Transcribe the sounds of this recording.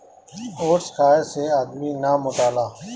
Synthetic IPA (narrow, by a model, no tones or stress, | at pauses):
oːʈskaːeseaːd̪miːnaːmʊʈaːlaː